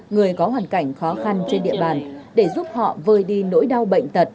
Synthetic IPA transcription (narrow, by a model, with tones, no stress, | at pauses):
ŋɨ˨˩əjkɔ˨˦ɦwaː˨˩nka˧˩jŋ̟xɔ˨˦xa˧nt͡ɕe˧nɗḭ˧˨əɓaː˨˩nɗe˧˩zu˦˥p̚hɔ̰˧˨vəː˧˩jɗi˧no̰˧˥jɗa˧wɓə̰˧˨jŋ̟t̪ə˨˩t̚